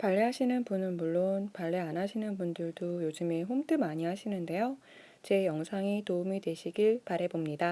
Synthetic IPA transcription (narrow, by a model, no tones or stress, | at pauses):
paɭːeɦaɕʰinɯnpunɯnmuɭːonpaɭːeanɦaɕʰinɯnbundɯɭdojod͡ʑɯmeɦomdɯmaɲiɦaɕʰinɯnde̞jo | t͡ɕe̞jʌŋsʰaŋitoumidwe̞ɕʰiɡiɭpaɾɦe̞bomɲida